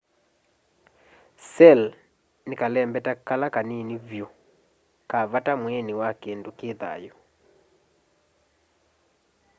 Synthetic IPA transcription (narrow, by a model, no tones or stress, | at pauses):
sɛl | nekalɛmbɛtakalakaninivjo | kaβatamwɛniwakendokeða̰jɔ